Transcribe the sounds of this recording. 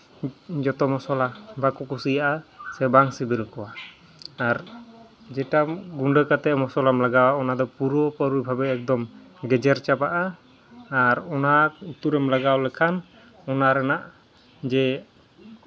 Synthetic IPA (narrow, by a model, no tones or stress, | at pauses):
d͡ʒɔt̪ɔmɔsɔlabakukusijaʔasɛbaŋsibilkɔwaː | ɾ | d͡ʒɛʈaɡuɳɖəkat̪ɛʔmɔsɔlamlaɡawaɔnad̪ɔpuɾɔpəɾujbʱabɛːk̚d̪ɔm | ɡɛd͡ʒɛɾt͡ʃapaʔaː | ɾɔnaut̪uɾɛmlaɡawlɛkʰan | ɔnaɾɛnaʔ | d͡ʒɛ